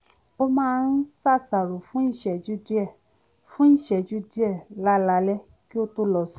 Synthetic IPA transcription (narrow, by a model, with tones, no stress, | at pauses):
o˧mãː˦˧n̩˦sa˦˨sa˨ɾo˨fũ˨˦i˦˨ʃɛ˨d͡ʒu˦di˦ɛ˦˨ | fũ˦i˦˨ʃɛ˨d͡ʒu˦di˦ɛ˦˨la˨˦la˧˦lɛ˦ | ki˦o˦to˧lɔ˨s